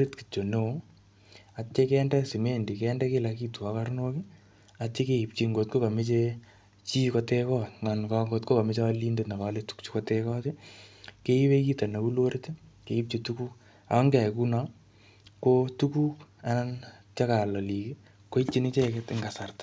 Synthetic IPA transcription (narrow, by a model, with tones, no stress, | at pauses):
ɾi˦tki̥˨t͡ʃːo˨ne˦o | a˨t͡ʃːe˦kɛːndɛsɪ˨mendi˨kɛndɛ˦kela˨ki˦tu˨a˦karno˦ki | at͡ʃːe˦ke˦i˨p̚t͡ʃi˦ŋɡo˨tko˦ka˨me˦t͡ʃe | t͡ʃiː˦kɔte˦kɔŋankɔŋɡotko˦ka˨mɪ˦t͡ʃa˦li˦nde˦tna˨kaletu̥kt͡ʃu̥˦kɔtekɔː˦tike˦i˦peki˦ta˨na˨u˦lo˦ɾɪ˦ti˦ke˨i˦p̚t͡ʃi˦tuku˦k | a̰˨˦ŋɡa˨jku˦na | kotuku˦ka˦nant͡ʃaka˨lɔ˨li˨ki˦ | ko˦it͡ʃi˦nit͡ʃe˦kɛtɪŋɡa˨sa˨rtḁ